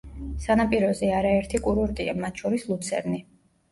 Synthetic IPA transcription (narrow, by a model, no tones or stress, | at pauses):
sanapʼiɾɔzɛaɾaɛɾt̪ʰikʼuɾuɾt̪ʼiamat̪ʰʃɔɾislˠut̪sʰɛ̰ɾni